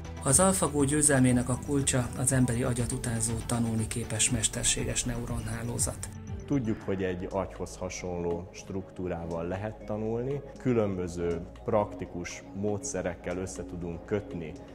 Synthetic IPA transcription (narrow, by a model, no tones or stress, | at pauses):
ɒzɒlfɒɡoːɟøːzɛlmeːnɛkɒkult͡ʃɒɒzɛmbɛɾiʔɒɟɒt̪ut̪aːnzoːt̪ɒnulnikeːpɛʃmɛʃt̪ɛrʃeːɡɛʃnɛuɾo̞nɦaːlo̰ːzɒ̰t̪ | t̪uɟːukho̞ɟɛɟːɒcho̞shɒʃo̞nloːʃt̪rukt̪uːɾaːvɒlːɛɦɛt̪ːɒnulnikylø̞mbøzøːprɒkt̪ikuʃmoːt̪sɛɾɛkːɛlø̞sːɛt̪ud̪uŋkːøt̪ni